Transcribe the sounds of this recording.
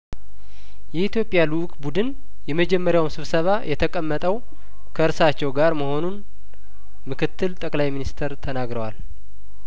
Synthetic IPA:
jɛit̪jo̞pʼːjaluʔkʼbud̪ɨn | jɛməd͡ʒɛmːəɾjawmsɨβsəβajʔɛt̪ʰəkʼəmːət̪ʼəw | kʰəɨɾsat͡ʃːɛwɡaɾməho̞nun | mɨkʰɨt̪ːɨlt̪ʼəkʼlajminist̪ʰəɾt̪ʰənaɡɾəwal

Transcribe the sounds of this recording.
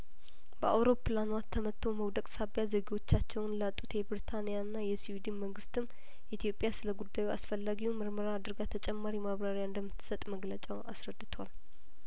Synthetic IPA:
b̥əʔa̰wɾo̞pʰːlanwat̪ʰːəmət̪ʰːo̞məwd̪əkʼsabjazəɡiwo̞t͡ʃːat͡ʃːɛwnlat̪ʼːut̪jɛbɾit̪ʰanijanːajɛsiwid̪inməŋɡɨst̪ʰɨm | ʔit̪ijo̞pʼjasɨləɡud̪ːajua̰sfəlːaɡiwumɨɾməɾad̪ɾɡat̪ʰət͡ʃʼɛmːaɾimaβɾaɾjaɨnd̪əmːɨt̪ʰːɨ̥sət̪ʼməɡlət͡ʃʼɛwasɾəd̪ːɨt̪ʰwal

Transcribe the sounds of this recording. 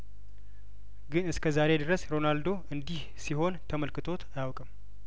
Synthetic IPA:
ɡɨnɨskʰəzaɾe̞d̪ɨɾəsɾo̞nald̪o̞ʔɨnd̪ih | siɦo̞nt̪ʰəməlkɨt̪ʰo̞t̪ʰajawkʼəm

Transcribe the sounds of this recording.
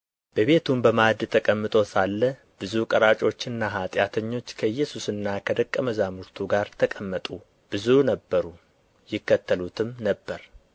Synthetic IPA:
b̥əβe̞t̪ʰumbəmad̪t̪ʰəkʼəmːɨt̪ʼo̞salːə | b̥ɨzukʼəɾat͡ʃʼo̞t͡ʃːɨnːaɦat̪ʼjat̪ʰəɲːo̞t͡ʃːkʰəjːɛsusɨnːakʰəd̪əkʼːəməzamuɾt̪ʰuɡaɾt̪ʰəkʼəmːət̪ʼu | b̥ɨzunəbːəɾu | jɪkːət̪ʰːəlut̪ʰɨmnəbːəɾ

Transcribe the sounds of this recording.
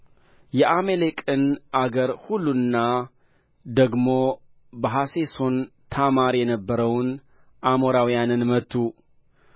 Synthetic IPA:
jɛʔamelekʼɨnʔaɡəɾhulːunːa | d̪əɡmo̞ | bəɦaseso̞nt̪ʰamaɾjɛnəbːəɾəwn | ʔamoɾawjanɨnmət̪ʰːu

